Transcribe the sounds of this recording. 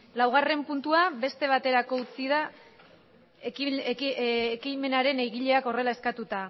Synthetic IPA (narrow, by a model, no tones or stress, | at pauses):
lawɣ̞are̞mpunt̪uaβe̞st̪e̞β̞at̪e̞ɾako̞ut͡sið̞a | kime̞naɾe̞nejɣiʎe̞ako̞re̞lae̞skat̪ut̪a